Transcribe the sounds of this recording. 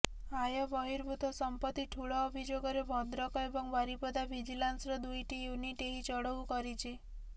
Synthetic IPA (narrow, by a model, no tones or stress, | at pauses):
ajɔbɔɦiɾbʱut̪ɔsɔmpɔt̪ːiʈʰuɭɔːbʱid͡ʒoɡɔɾebʱɔd̪ɾɔkɔebɔŋbaɾipɔd̪abʱid͡ʒilansɾɔd̪ujʈijuniʈeɦit͡ʃɔɽɔwkɔɾit͡ʃʰe